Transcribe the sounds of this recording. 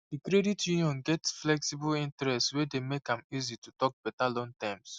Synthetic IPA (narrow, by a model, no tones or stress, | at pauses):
dikɾeditʰjuniɔ̃nɡɛtsflɛksibʊlĩntɾɛstswedemekãmizitutɔk̚b̥ɛtalɔ̃ŋtãms